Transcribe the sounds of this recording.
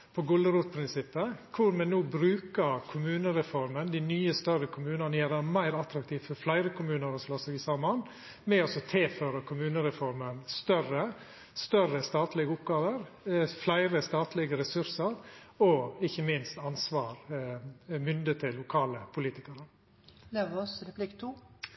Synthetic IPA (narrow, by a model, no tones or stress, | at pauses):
pʰɔɡʊlːəɾuːt̪̚pʰɾɪnsɪpːəkʰʊɾmɛnuːbɾʉːkəɾkʰʊmʉːnəɾɛfɔɾmənd̪ɪnyːəst̪œɾəkʰʊmʉːnɑnəjæɾæmæɪɾɑt̪ɾɑkt̪ʰiːʋfɔɾflæɪɾəkʰʊmʉːnəɾɔsloːsɛʋɪsɑːmɑn | mɛɔsɔt̪ʰeføːɾəkʰʊmʉːnəɾɛfɔɾmənst̪œrə | st̪œrəst̪ɑːt̪lɪɡəʊpɡɑːʋəɾflæɪɾəst̪ɑːt̪lɪɡəɾɛsʉɾsəɾɔɪçəmɪnst̪ɑnsʋɑːɾ | mʏnd̪ət̪ʰɪlːʊkʰɑːləpʰʊliːt̪ɪkəɾə | leʋɔsɾɛplɪkt̪ʰuː